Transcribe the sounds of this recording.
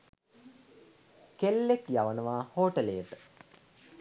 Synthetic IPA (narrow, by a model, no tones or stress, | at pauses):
kelːekjaʋənəʋaːhoːʈəlejəʈə̥